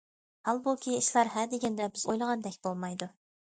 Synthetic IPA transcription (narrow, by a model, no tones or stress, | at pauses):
hɑlˠbulˠkʲʰiiʃlˠɑɾɦæd̪eɡʲɛnd̪ɛbɪzojlˠəʁɑnd̪ɛkʲbolˠmɑjd̪u